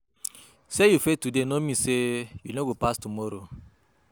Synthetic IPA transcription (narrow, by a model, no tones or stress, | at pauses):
sejufetudenomĩsejunoɡopastumɔɾo